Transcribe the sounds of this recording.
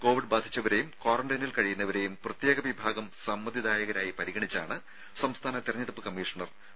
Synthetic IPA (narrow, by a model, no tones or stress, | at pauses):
ko̞ːʋiɖ̚baːd̪ʱit͡ɕːɐʋɐɾejumko̞ːrɐɳɖɐnilkɐɻijunːɐʋɐɾe̞jumprɐt̪jeːɡɐʋibʱaːɡɐmsɐmːɐd̪ʱid̪aːjɐɣɐɾaːjipɐɾiɣɐɳit͡ɕːaːɳɨ | sɐmst̪ʰaːnɐt̪irɐɲːɐɽupːɨkɐmːiːʂɐɳɐr